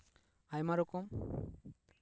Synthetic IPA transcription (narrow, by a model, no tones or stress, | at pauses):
ajmaɾɔkɔm